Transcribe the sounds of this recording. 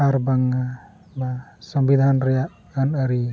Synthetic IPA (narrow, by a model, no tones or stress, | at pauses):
aɾbaŋa | basɔmbid̪ʱanɾɔjaʔ | anaɾi